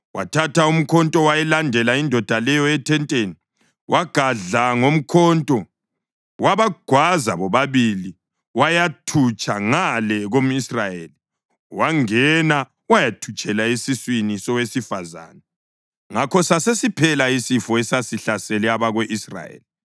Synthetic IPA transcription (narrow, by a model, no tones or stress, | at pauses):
wa̰tʰataum̩kʰɔntʼɔwajɛlandʱɛlaindʱɔd̥ʱalɛjɔɛtʰɛntʼeni | wʔaɡ̥ʱaɮaŋom̩kʰɔntʼɔ | waβaɡ̥ʱwazaβɔβaβili | wajatʰut͡ʃʼʰaŋalɛɣom̩israjeli | waŋɛna | wajatʰut͡ʃʼɛlaesiswinisɔwesifaza̰ːnɛ | ŋakʰɔsasesipʰɛlaisifɔɛsasiɬasɛlɛaβaɣwɛʔisra̰jḛːli